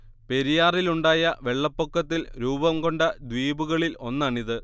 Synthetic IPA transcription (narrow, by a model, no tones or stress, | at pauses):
pe̞ɾijaːriluɳɖaːjɐʋe̞ɭːɐpːokːɐt̪ːilɾuːbɐmɡo̞ɳɖɐd̪ʋiːbuɣɐɭilo̞nːaːɳiðɨ